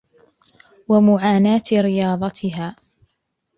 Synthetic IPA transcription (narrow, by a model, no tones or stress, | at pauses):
wamʊʕaːnaːt̪ɾɪjɑːðˤɑt̪ʰɪɦaː